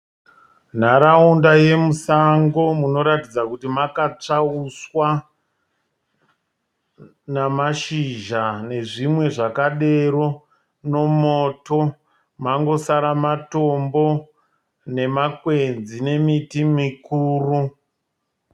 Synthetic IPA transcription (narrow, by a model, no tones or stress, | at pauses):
n̤aɾaundaje̞musaŋɡo̞muno̞ɾatid͡zakutimakat͡ʂauswa | namaʃiʒane̞ʐimwe̞ʐakaɗe̞ro̞ | no̞moːto | maŋɡo̞saɾamato̞mbo̞ | ne̞makwe̞nzine̞mitimikuːru